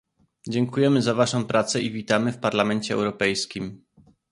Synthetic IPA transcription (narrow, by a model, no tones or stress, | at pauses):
d͡ʑɛŋkujɛmɘzavaʂɔ̃w̃pɾat̪sɛʔivʲit̪amɘfpaɾlamɛɲt͡ɕɛɛ̰wɾɔpɛjskʲim